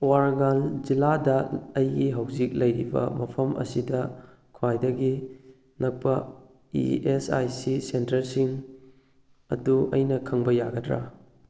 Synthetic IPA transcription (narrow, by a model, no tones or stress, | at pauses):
waɾɡalziladɐːjɡiɦɐwzik̚lɐjɾibɐ̰mɐpʰɐmʔɐ̰sidɐ | kʰwajdɐɡi | nɐk̚pɐ | ḭesa̰jsisentɐɾsiŋ | ɐ̰duɐjnɐkʰɐŋbɐjaɡɐdɾa̰